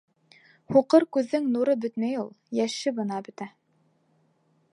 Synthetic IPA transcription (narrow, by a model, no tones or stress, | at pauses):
huqɤɾkʉðːɘŋnuɾɤbɵ̆t̪mæjulˠjæʃɘbɤ̆nɑbɵ̆t̪æ